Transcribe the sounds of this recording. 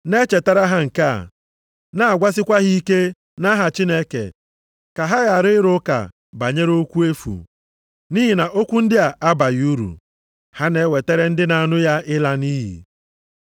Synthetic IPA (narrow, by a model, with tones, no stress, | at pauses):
ne˦t͡ʃe˨ta˦ɾa˦ɦa˦ŋ̩˨ka̰˦˨ | na˦a˨ɡʷa˦s̬ɪ˦kʷa˦ɣi˦i˦ke˦ | na˦ɦa˨t͡ʃi˦ne˦kḛ˨ | ka˨ɦa˦ɣa˨ɾɪ˦ɪ˦ɾʊ˦ka̰˨ | ba˨ɲe˦ɾo˦kʷu˦e˦fṵ˨ | ni˦ɦi˨na˨ʔo˦kʷu˦n̩˦dɪ˦a˨ʔa˦ba˨ju˦ɾṵ˨ | ha˦ne˦we˨te˦ɾe˦n̩˦dɪ˦na˨a˨nʊ˦ja˦ɪ˦la˦niː˦ɦḭ˨